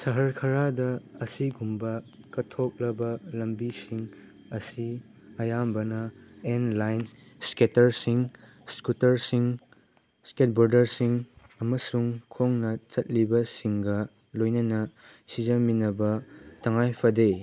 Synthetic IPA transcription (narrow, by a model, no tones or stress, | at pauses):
sɐɦɐɾkʰɐɾadɐːsiɡumbɐ | kɐtʰok̚lɐbɐlɐmbisiŋ | ɐsi | ɐjambɐnɐenlajn | sketɐɾsiŋ | skutɐɾsiŋ | sket̚boɾdɐɾsiŋ | ɐmɐsuŋkʰoŋnɐt͡ʃɐt̚libɐsiŋɡɐ | lojnɐnɐ | sid͡ʒɐminɐbɐtɐŋajpʰɐde